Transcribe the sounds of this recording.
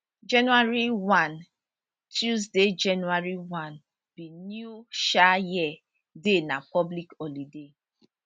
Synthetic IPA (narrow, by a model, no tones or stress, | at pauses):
d͡ʒɛnuaɹiwãn | tʰjuzded͡ʒɛnuaɹiwãn | b̥injuʃajiɛ | denapɔblikɔlide